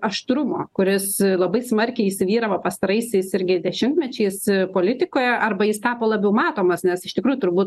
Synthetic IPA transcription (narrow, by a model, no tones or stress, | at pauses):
ɐʃt̪ɾʊmoːkʊɾʲɪslˠɐbɐɪsmɐrʲkʲɪisʲɪʋʲiːɾɐʋɐpɐst̪ɐɾɐɪsʲɛɪsɪɾʲɡʲɪd̪ʲɛʃʲɪmt̪ʲmʲɛt͡ʃʲɛɪspoːlʲɪt̪ʲɪkoːjɛʔɐrbɐjɪst̪ɑːpoːlˠɐbʲɛʊmɑːt̪oːmɐsnʲɛsɪʃt̪ʲɪkɾuːjʊt̪ʊrbuːt̪